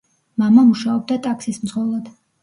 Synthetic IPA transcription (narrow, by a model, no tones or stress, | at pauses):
mamamuʃaɔb̚d̪at̪ʼaksismd̪zʁɔlˠad̪̥